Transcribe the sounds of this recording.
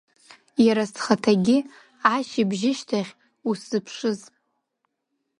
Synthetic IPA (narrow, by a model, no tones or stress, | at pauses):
jaɾastʰχatʰaɡʲɪ | aʃibʒɪʃtʰaχʲ | uszɨpʰʂɨz